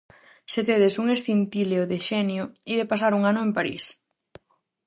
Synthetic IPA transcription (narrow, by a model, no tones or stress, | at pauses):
set̪eðesuŋest̪int̪ileoðeʃɛnjoiðepas̬aɾuŋanʊempaɾḭs